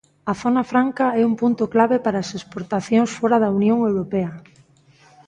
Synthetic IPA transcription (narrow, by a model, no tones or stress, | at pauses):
ɐθonafɾaŋkaɛumpunt̪ʊklaβepaɾaːsespoɾt̪aθjoŋsfɔɾaðɐunjoŋewɾopɛɐ